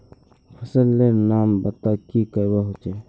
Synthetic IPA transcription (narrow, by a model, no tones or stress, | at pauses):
pʰəsəlːenaːmbɐt̪akikəjbaɦot͡ʃe